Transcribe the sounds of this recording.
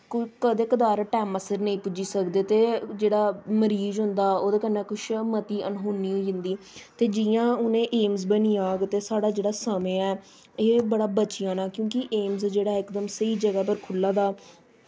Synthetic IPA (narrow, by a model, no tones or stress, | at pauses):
kʊkəd̪eːkəd̪aːɾʈɛːməsəɾnəĩːpʊd͡ʒiːsəkd̪eːt̪eːd͡ʒeːɽaːməɾiːzɦʊnd̪aːoːd̪eːkənːɛ̃ːkʊʃmət̪iːʔənɦoːnːiːɦoiɦɪnd̪iː | t̪eːd͡ʒɪjãːʊnẽːʔeːmzbənĩːaːɡt̪eːsaːɽaːd͡ʒeːɽaːsəmẽːɛː | eːbəɽaːbət͡ʃɪjãːnaːkjõːkɪʔeːmzd͡ʒeːɽaːɪkd̪əmsəiːd͡ʒəɡɛːpəɾkʰʊlːãːd̪aː